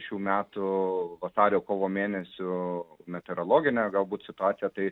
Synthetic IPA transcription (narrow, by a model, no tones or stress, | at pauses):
ʃʲuːmʲæːt̪ʊʋɐsɑːɾʲoːkoːʋoːmʲeːnʲɛsʲʊmʲɛt̪ʲɛɾoːlˠoːɡʲɪnʲɛɡɐlˠbuːt̪sʲɪt̪ʊɑːt̪ʲɪjɛt̪ɐɪ